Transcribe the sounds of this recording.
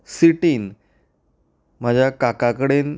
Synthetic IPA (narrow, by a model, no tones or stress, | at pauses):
siʈiːn | m̤ad͡ʑʱjakakakəɽen